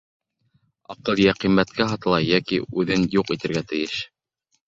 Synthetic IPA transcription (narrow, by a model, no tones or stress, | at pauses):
ɑqɤlˠjæqimːæt̪̚kæɦɑt̪ɤ̆lˠɑjækḭʉðɘnjuqit̪ɘ̆ɾɡæt̪ɘ̆jɘʃ